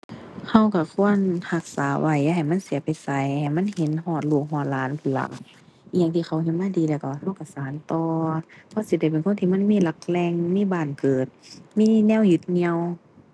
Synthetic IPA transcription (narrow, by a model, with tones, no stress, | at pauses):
ha˧˩wka˧˩kʰu˧˥˨ənha˧˦k̚saː˨˦wa˧˩ja˧ɦa˨˩jma˧˥˨nsi˨˦ɐpa˨jsa˧˦jha˨˩jma˧˥˨nhe˨˦nhɔː˧˩t̪̚luː˧˩k̚hɔː˧˩t̪̚laː˨˦npʰɯ˧˩la̰˧˩k̚ | ʔŋt̪ʰiː˧˩xʰa˧˩whi˧˦nmaː˧˥˨diː˨˦lɛː˧˩wka˧˩˧ha˧˥˩wka˧˩saː˨˦nt̪ɔː˧pʰɔ˧˥˨si˧˦da˧˩jpe˨nkʰo˥˨t̪ʰiː˧˨ma˧˥˨nmiː˧˥˨la˧˦k̚lɛː˧ŋmiː˧˥˨baː˧˩nkɤː˨˩t̪̚miː˧˥˨nɛː˧˥˨wju˧˦t̪̚ɲi˧ə˨w